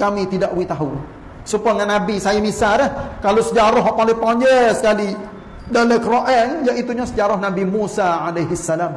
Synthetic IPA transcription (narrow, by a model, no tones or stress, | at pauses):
kamit̪idaʔwit̪aɦu | səpuaŋanabisajamisaɾəhkalosəd͡ʒaɾʊɦɔʔpalɪpɔɲd͡ʒəsə̥kali | daləkɾoʔɛnjaʔit̪uɲasəd͡ʒaɾʊhnabimusaalejɦisːalam